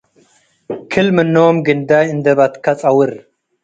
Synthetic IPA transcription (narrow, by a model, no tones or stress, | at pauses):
kʰɨlmɨnːoːmɡɨnd̪aind̪ɐbɐt̪kʰɐt͡sʼɐwɨɾ